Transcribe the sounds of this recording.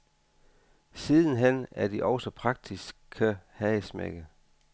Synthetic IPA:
sið̞ˠn̩ɦenæɐd̥iʔɒʊsɒpʰʁɑ̈ɡ̥̚d̥isɡʰæhɛɪsmḛɡ̥ə

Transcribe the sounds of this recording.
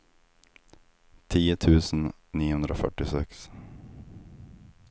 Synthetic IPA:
t̪ʰiːət̪ʰʉːsn̩niːhɵnɾəofœ̰ʈːɪsɛks

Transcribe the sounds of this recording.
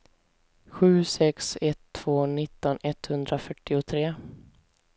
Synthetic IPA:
ɧʉ̟ːsɛksɛt̪ʰːv̥oːnɪt̪ːɔnɛt̪hɵnd̪ɾʔafœʈːɪʊt̪ʰɾeː

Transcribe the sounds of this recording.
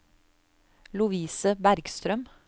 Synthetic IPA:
lʊʋiːsəbæɾɡst̪ɾœm

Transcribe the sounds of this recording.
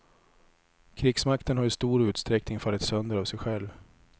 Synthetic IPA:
kʰɾɪɡsmakt̪ənɦajʏst̪uːɾʉ̟ːt̪st̪ɾɛknɪŋfalːɪt̪sœnd̪əɾavsɛjɧɛlv

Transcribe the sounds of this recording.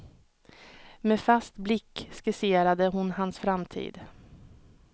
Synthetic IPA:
meːfast̪blɪkːskɪseːɾad̪əɦʊnɦansfɾamt̪ʰḭːd̪

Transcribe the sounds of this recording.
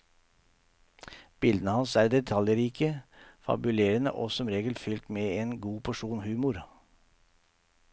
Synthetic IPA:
b̥ɪld̪ənəhɑnsæːɾd̪ɛt̪ʰɑljɾiːkəfɑ̰bʉleːɾənə̰ʔɔ̰ːsɔmɾeːɡəlfʏlt̪meːeːnɡuːpʰɔʂuːnhʉːmʊɾ

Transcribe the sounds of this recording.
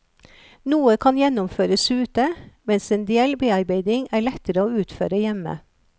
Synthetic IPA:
nuːəkʰɑnjɛnʊmføːɾəsʉːt̪əmɛnseːnd̪eɛlbeːɑɾbeɪd̪ɪŋæːɭɛt̪əɾəoːʉːt̪føːɾəjɛmə̰

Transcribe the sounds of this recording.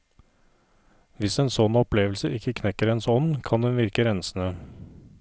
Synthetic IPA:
ʋɪseːnsɔnɔpʰleːʋəlsəʔɪkːəkʰnɛkəɾɛnsɔnkʰɑnd̪ɛnʋɪɾkəɾɛnsnə

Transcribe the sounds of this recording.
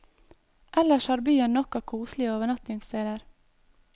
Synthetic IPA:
ʔɛləʃhɑːɾbyːənnɔkɑːkʰuːslɪəoːʋəɳɑt̪nɪŋst̪ʰeːd̪əɾ

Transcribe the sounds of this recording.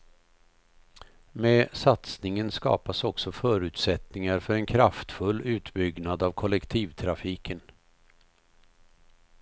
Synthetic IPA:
mɛːsat̪snɪŋənskɑ̰ːpasɔksɔfœːɾʉ̟ːt̪sɛt̪nɪŋaɾfœɾɛnkʰɾaft̪fɵlːʉ̟ːt̪bʏɡnad̪avkʰɔlːɛkt̪ʰiːvt̪ʰɾafiːkʰən

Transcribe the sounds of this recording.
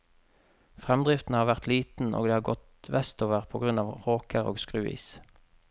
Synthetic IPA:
fʁɛmd̪ʁɪft̪n̩əhɑːʁʋæʁt̪ʰliːt̪n̩ʔo̰ːɡd̪eːhɑːʁɡɔt̪ | ʋɛst̪oːʋəʁpʰoːɡʁʉnɑːʋʁoːkʰəʁo̰ːɡskʁʉːḭːs

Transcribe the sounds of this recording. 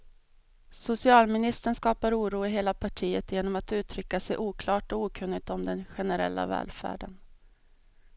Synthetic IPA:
sʊsɪɑːlmɪnɪst̪əɳskɑːpaɾuːɾuːɪɦeːlapʰaʈʰiːət̪jeːnɔmat̪ʉ̟ːt̪ʰɾʏkːasɛjʔuːkʰlɑːʈɔuːkʰɵnːɪɡ̚t̪ɔmd̪ɛnɧɛnɛɾɛ̰lːa̰vɛ̰ːlfæ̰ːɖən

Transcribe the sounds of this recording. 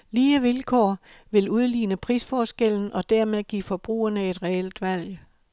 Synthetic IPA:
liːəʋilkʰɒ̰ː | ʋe̝luð̞ˠliːnəpʰʁisfɒːsɡ̥el̰n̩ɒ̽d̥æɐmeðˠɡ̥ḭːfɒ̽b̥ʁṵːɐnəe̝d̥ʁɛeld̥ʋæl̰j

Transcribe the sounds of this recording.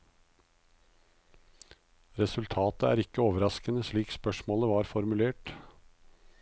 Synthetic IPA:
ɾɛsʉlt̪ʰɑːt̪əæ̰ːɾɪkːəoːʋəɾɑskənəsɭiːkspœʂmoːləʋɑːɾfɔɾmʉleːʈ

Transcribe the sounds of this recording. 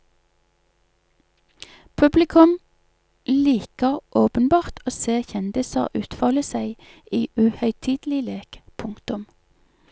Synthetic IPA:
pʰʉblɪkʰʉm | liːkəʁʔoːpənbɑːʁt̪ʰoːseːʁçɛnd̪ɪsə̰ʁʔʉːt̪fɑːləsæɪ | iːʔʉːhœʏt̪ʰiːd̪̥lɪleːkpʰʊŋkt̪ʊm

